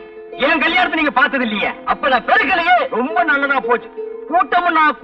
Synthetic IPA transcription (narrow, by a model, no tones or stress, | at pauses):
ɛːɐ̃kɐlɪjaːnɐt̪ːɯniːŋɡɐpaːɾt̪ɐðɪlːɐjɐɐpːoːnãːpɛɾɯɣːɐɭɯmeɾɔmbɐnɐlːɐðãːpoːt͡ʃːʊ̥̃kuːʈːɐmʊ̃nãːk